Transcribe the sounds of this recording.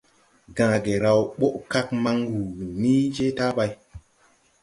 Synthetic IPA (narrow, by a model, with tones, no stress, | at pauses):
ɡãː˨ɡe˨ɾa˨wɓo˦ʔka˦k̚ma˦ŋɡu˨ni˦d͡ʒe˦ta˦ba˧j